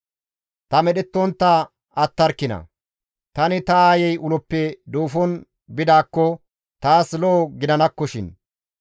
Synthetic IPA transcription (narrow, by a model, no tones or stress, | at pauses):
t̪ɐmɛɗɛt̪ːɔnt̪ːa | ɐt̪ːɐɾkːɪnɐ̰ | t̪ɐnɪt̪ɐaːjɛjʊlɔpːɛd̪uːfɔn | bɪd̪aːkːɔ | t̪aːslɔːɡɪd̪ɐnɐkːɔʃɪn